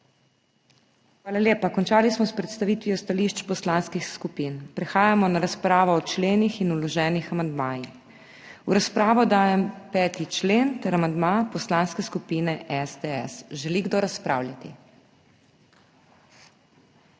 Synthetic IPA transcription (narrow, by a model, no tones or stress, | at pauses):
xʋaːlaljeːpakɔnt͡ʃaːlismɔspɾɛt̪st̪aʋiːt̪ʋiɔst̪aliʃt͡ʃpɔslanskixskupiːnpɾɛxaːjamɔnaɾaspɾaːʋɔːt͡ʃleːnixinulɔʒɛːnixamand̪maːjix | uɾaspɾaːʋɔd̪aːjɛmpɛːt̪it͡ʃleːnt̪ɛɾamand̪mapɔslanskɛskupiːnɛʔɛsd̪ɛɛ̰sʒɛliɡd̪oɾaspɾa̰wlʲjat̪ḭ